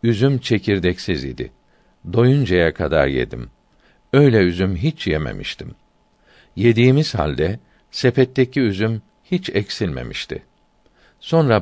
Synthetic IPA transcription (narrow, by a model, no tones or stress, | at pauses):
yzymt͡ʃʰe̞cʰiɾd̪ɛcsizḭd̪ɪ̰ | d̪o̞jund͡ʒajakʰad̪a̰ɾje̞̰d̪ḭm | ø̞jlʲɛyzymɦit͡ʃjemḛmḭʃt̪ʰim | je̞d̪iːmiz̥ha̰lʲd̪ɛ | sepɛt̪ːecʰiyzym | hit͡ʃɛcsilʲme̞̰mḭʃt̪ʰḭ | so̞nɾa